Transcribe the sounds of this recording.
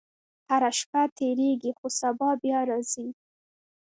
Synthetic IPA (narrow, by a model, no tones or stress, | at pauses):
haɾaʃpat̪eɾeɡixosabɑbjɑɾɑz̥i